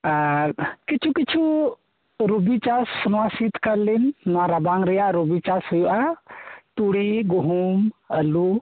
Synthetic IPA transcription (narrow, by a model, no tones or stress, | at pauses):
aɾkit͡ʃʰukit͡ʃʰu | ɾubit͡ʃasnasit̪ʰkəɾlinnaɾabaŋɾijaɾubit͡ʃashujuʔat̪uɽiɡuɦuməlu